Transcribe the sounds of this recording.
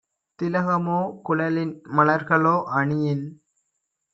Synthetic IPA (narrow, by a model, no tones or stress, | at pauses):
t̪ɪlɐɣɐmoːkʊlɐlɪnmɐlɐɾɣɐɭoːʔɐɳɪjɪn